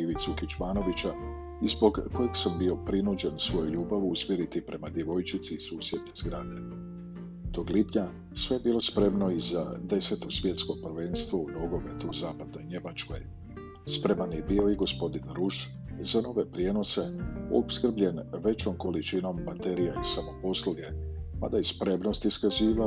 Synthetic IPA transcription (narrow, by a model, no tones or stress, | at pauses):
iʋit̪sukit͡ʃmaːno̞ʋit͡ʃa | izbo̞ɡko̞jeɡsambio̞pɾinud͡ʑe̞nsʋo̞juʎuːbaʋuusmjeɾit̪ipɾʔe̞mad̪je̞ʋo̞jt͡ʃit̪siːsuːsje̞d̪nozɡɾaːd̪ḛ | t̪o̞ːɡlipɲa | sʋejebiːlˠo̞spɾe̞mno̞iza̰d̪e̞se̞t̪o̞sʋʲje̞t̪skopr̩ʋe̞nst̪ʋouno̞ɡo̞met̪uzaːpad̪̚no̞jɲe̞mat͡ʃko̞̰j | spɾe̞manjebio̞iɡo̞spo̞d̪inɾuʃ | zano̞ʋe̞pɾje̞ːno̞se̞o̰pskr̩bʎe̞nʋe̞t͡ʃomko̞lit͡ʃino̞mːat̪eɾijaisamo̞po̞slˠuɡe̞pa̰d̪ajespɾe̞mno̞st̪iskaziːʋa